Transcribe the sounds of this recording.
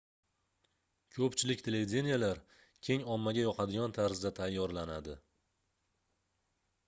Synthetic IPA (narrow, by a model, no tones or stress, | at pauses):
kʰɵpt͡ʃʰɪlɪkʲt̪ʰe̞le̞vid̪ʲe̞nijalaɾ | kʲʰe̞ŋɒmːaɡʲajɒqʰɑd̪ɪɡʲɒnt̪ʰaɾzɪd̪at̪ʰajːɒɾlanad̪ɪ